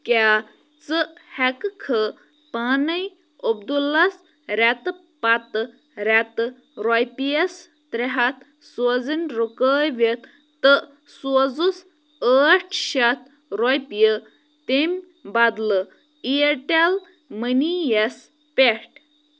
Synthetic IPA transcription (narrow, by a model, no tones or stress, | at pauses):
kʲaː | t͡sɨhɛkkʰə | paːnɐj | obd̪ulɐs | ɾat̪ɨ | pɐt̪ɨ | ɾʲat̪ɨ | ɾɔjpijɐs | t̪ɾeɦɐt̪ | sozinʲɾukəːjʋet̪ː | ɨ | szus | əːʈʰʃɐt̪ | ɾɔjpjə | t̪emʲ | bɐd̪lɨ | ieʈel | mənijɐs | peʂʈ